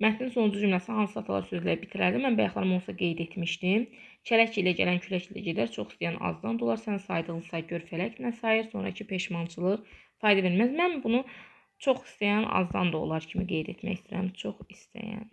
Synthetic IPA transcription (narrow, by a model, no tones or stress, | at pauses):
mæt̪ʰninso̞nd͡ʒud͡ʒymlæsnhɑnsɯɑt̪ʰlˠɑ̰ɾsøzlæɾibit̪ʰiɾæɾd̪imænbæjɑχlˠɑɾɯmo̞lˠsɑɡe̞jd̪e̞t̪ʰmiʃd̪im | cʰælæcʰilæɟælæncʰylæcilæ̰ɟed̪æɾt͡ʃʰo̞χi̥st̪ejænɑ̰zd̪ɑnd̪olˠɑɾsænsɑjd̪ɯɣlˠɯsɑɟøɾfælæcnæsɑjiɾso̞nɾɑ̰cʰipʰe̞ʃmɑnt͡ʃʰɯlˠɯʁfɑjd̪æve̞ɾmæzmænbunu | t͡ʃʰo̞χi̥st̪æjænɑ̰zd̪ɑ̰nd̪o̞̰lˠɑɾcʰimiɡe̞jd̪e̞̰t̪mæ̰çist̪ʰiɾæ̰mt͡ʃʰo̞χist̪æ̰jæ̰n